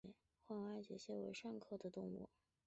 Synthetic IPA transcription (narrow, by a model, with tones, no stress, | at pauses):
xwɑ˥ŋwa˥˩ɪt͡ɕɥɛ̰˨˧˥ɕjɛ˥we˧˥ɪʂɑ˥˧ŋkʰɤ˥˩d̪ə˩t̪ʊ˥˧ŋwṵ˥˩